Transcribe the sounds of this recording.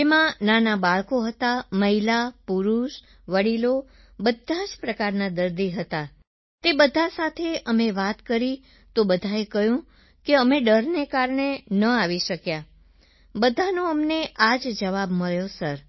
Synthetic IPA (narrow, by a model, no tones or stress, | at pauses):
emãnanabaɭkoɦət̪aməɦilapuɾuʃ | ʋəɽilo | bəd̪ʱːad͡ʒpɾəkaɾnad̪əɾd̪iɦət̪a | t̪ebəd̪ʱasat̪ʰeʔəmeʋat̪kəɾi | t̪obəd̪ʱaekəjũ | keəmeɖəɾnekaɾɳenəaʋiʃəkja | bəd̪ʱanoəmneʔad͡ʒd͡ʒəʋabməɭjosəɾ